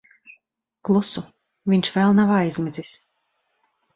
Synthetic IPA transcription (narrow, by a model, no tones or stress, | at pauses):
klˠusu | vʲiɲʲʃvɛlˠnavajzʲmɛd̪zis